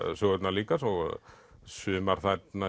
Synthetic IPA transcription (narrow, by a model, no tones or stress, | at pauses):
sʏɣœt̪naliːkasɔɣ | sʏːmaɾ̥θat̪na